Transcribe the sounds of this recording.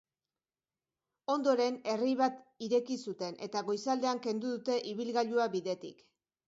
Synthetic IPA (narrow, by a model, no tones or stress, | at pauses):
o̞nd̪o̞ɾe̞ne̞rijβat̪iɾe̞kisut̪e̞nʔe̞̰t̪aɣo̞jsald̪e̞aŋke̞nd̪uðut̪e̞ʔiβilɣaʎuaβiðe̞t̪ḭk